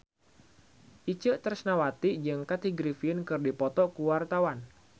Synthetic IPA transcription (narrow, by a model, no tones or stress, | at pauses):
ʔit͡ʃəʔt̪ərsnawat̪iʔd͡ʒɨŋkat̪iɡɾifiənkɨrdipɔt̪ɔkuwart̪awan